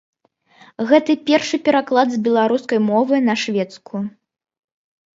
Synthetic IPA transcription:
ɣɛt̪ɨpʲɛrʂɨpʲɛɾaklˠad̪zbʲɛlˠaɾuskɐjmɔvɨnɐʂvʲɛt̪skʰu

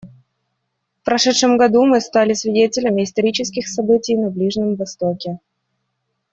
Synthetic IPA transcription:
fpɾɐʂɛt̪ʂɨmɡɐd̪umɨst̪alʲɪsvʲɪdʲetʲɪlʲəmʲɪɪst̪ɐɾʲit͡ɕɪskʲɪxsɐbɨtʲɪjnɐblʲiʐnʲɪmvɐst̪okʲɪ

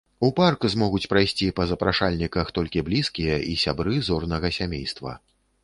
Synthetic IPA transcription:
uparkzmɔɣut͡sʲpɾajsʲt͡sʲipɐzɐpɾaʂalʲnʲikɐxt̪ɔlʲkʲiblʲiskʲijɐʔisʲabɾɨzɔrnɐɣɐsʲamʲḛjst̪vɐ̰

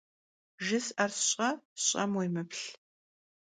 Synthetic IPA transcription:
ʒɪsʔɐrsɕʼɐɕʼɐmwejmɨpʰɬ

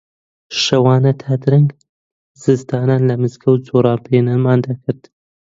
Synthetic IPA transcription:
ʃɐwɑːnɐt̪ʰaːd̪ɨɾɨŋɡ | z̥ɨzd̪ɑːnaːnlɐmɨzkʰɐwd͡zoːɾɑːnpʰeːnanmaːnd̪ɐkʰɨɾd̪

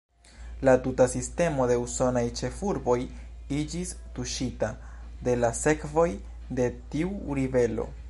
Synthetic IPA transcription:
latutasiste̞mo̞de̞uso̞najt͡ʃe̞fuɾbo̞j | id͡ʒistuʃita | de̞lase̞kvo̞j | de̞tiuɾive̞lo̞̰

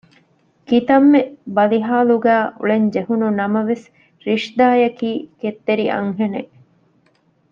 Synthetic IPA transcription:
kit̪ɐmːebɐliɦaːluɡæːʔṵɭeɲd͡ʒeɦununɐmɐʋes | ɾiʂd̪aːjɐkiːket̪ːeɾiʔɐ̰ŋɦene

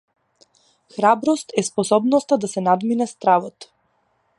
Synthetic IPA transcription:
xɾabɾɔst̪ɛspɔsɔbnɔst̪ad̪asɛnad̪minɛst̪ɾavɔt̪

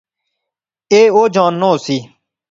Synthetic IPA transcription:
eːoːd͡ʒãːnːoːsiː

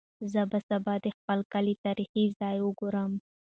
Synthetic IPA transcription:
zəbəsabɑd̪expəlkalit̪ɑɾixizɑjwʊɡoɾəm

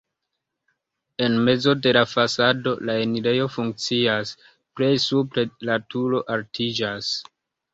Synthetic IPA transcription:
e̞nme̞d͡zo̞de̞lafasado̞̰laeniɾe̞jo̞fuŋk̚t͡sias | pɾe̞jsupɾe̞latuɾo̞ʔaltʰid͡ʒas

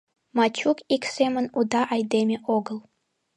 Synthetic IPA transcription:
mɑt͡ɕukiksemənud̪ɑʔɑjd̪emʲeʔoɡəlˠ

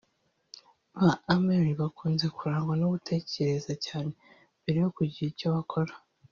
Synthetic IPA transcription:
βaːmeɾiβakuːnze̞kuɾaːŋɡwanoβutʰe̞ce̞ɾe̞zacaːne̞ | beɾijokuɟiicoβakʰo̞ɾḁ

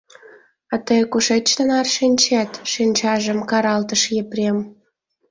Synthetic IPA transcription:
ɑt̪əjkuʃet͡ɕt̪ənɑrʃinʲt͡ɕæt̪ʃinʲt͡ɕɑʒə̆mkɑɾɑlt̪əʃjepɾʲem

